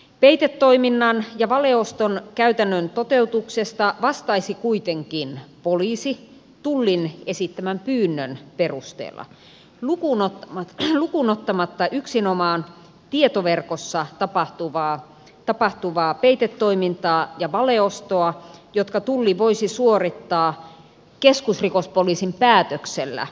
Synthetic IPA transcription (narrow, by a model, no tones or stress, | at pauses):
peit̪et̪ːo̞iminːɑnjɑʋɑleost̪onkæyt̪ænːønt̪ot̪e̞ut̪uksest̪ɑʋɑst̪ɑisikuit̪eŋkinpoliːsi | t̪ulːinesit̪ːæmæmpyːnːønperust̪ḛːlːɑ̰ | lukunolukunot̪ːɑmɑt̪ːɑʔyksinomɑːn | t̪iet̪oʋerkosːɑt̪ɑpɑht̪uʋɑː | t̪ɑpɑht̪uʋɑːpeit̪et̪ːoimint̪ɑːjɑʋɑleost̪oɑjot̪kɑt̪ulːiʋoisisuorit̪ːɑː | keskusrikospoliːsimpæːt̪økselːæ̰